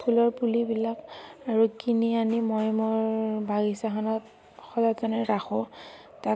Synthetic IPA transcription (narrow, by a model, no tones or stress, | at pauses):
pʰulɔɹpulibilakaɹukinianimɔjmʊɹbaɡisaxanɔt̚ | xɔzazɔnɛɹaxɔ̃ | ta